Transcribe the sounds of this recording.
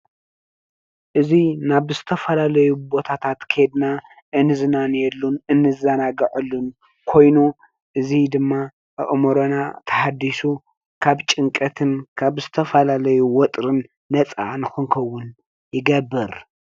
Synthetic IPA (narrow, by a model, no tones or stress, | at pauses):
ʔɨzinaβzɨt̪ʰɐfɐlalɐjubo̞t̪ʰat̪ʰat̪kʰed̪na | ʔɨnɨzɨnanjɛlːunɨnːɨzɐnaɡɨʕɨlːun | kʰo̞jnu | ʔɨzid̪ɨmːa | ʔɨ̰ʔmoɾonat̪ʰɐ̥ħad̪ːisu | kʰaβt͡ʃʼɨŋkʼɐt̪ʰɨnkʰaβzɨt̪ʰɐfɐlalɐjuwɔt̪ʼɾɨnː | ɐt͡sʼa̰ʕnɨxɨnkʰɐwːʊn | jɪɡɐbːɨɾ